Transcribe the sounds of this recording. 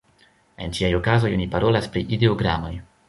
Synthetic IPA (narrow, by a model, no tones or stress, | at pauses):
e̞nt͡ʃiajo̞kazo̞jo̞nipaɾo̞laspɾiʔideoɡɾamo̞j